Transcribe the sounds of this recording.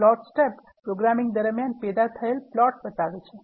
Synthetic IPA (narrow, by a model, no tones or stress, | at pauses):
lɔʈsʈep | pɾoɡɾamiŋd̪əɾmjanpɛd̪at̪ʰəelplɔʈ̚bət̪aʋet͡ʃʰe